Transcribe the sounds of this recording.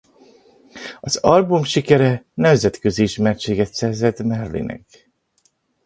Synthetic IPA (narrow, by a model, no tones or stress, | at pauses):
ɒz̥ɒlbumʃikɛɾɛnɛmzɛt̪kø̞ziiʃmɛrt͡ʃeːɡɛt̪sɛrzɛt̪mɛrlḭnʔɛ̰k